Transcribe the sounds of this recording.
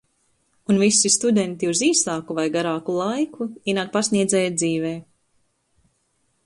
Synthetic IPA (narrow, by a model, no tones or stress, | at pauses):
unvisist̪ud̪ɛnt̪iuziːsaːkuvajɡaɾaːkulˠajkʰuiːnaːk̚pasniɛd̪zɛːjad̪ziːvɛː